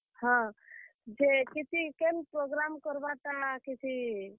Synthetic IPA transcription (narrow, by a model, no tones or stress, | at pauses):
hã | d͡ʒekit͡ʃʰikenpɾoɡɾamkɔɾbat̪akit͡ʃʰi